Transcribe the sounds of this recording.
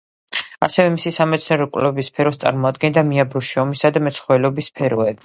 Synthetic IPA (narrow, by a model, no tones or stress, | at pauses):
asɛvɛmisisamɛt̪sʰnɛɾɔkʼwlɛbispʰɛɾɔst̪sʼa̰ɾmɔad̪ɡɛnd̪amiabɔʃiɔmisad̪amɛt̪sʰχwɛlɔbispʰɛɾɔɛbi